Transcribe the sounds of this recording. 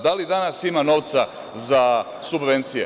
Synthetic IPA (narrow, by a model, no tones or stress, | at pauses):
d̪alid̪anasimano̞ʋt̪sa | za | subʋe̞nt̪sijḛ